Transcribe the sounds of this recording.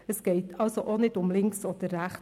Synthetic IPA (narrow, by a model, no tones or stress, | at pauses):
əsɡ̥ejtʰɑlˠsoʔonɛtʊmlɪŋksɔdərːæχ